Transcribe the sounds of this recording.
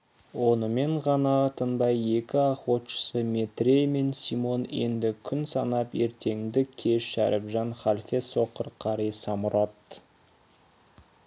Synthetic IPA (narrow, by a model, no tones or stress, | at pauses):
wo̞nəme̞ɴʁɑnɑt̪ʰənbɑje̞kʲɪɑχwot̪ʃə̥səme̞t̪ɾʲejme̞nsimo̞ne̞̰nd̪ɪkʲʰʏnsɑnɑpe̞ɾt̪ʰe̞ŋd̪ɪkʲʰe̞ʃːæ̰ɾɪbʒɑnχɑlʲfeso̞qəɾqʰɑɾisɑmʊɾot̪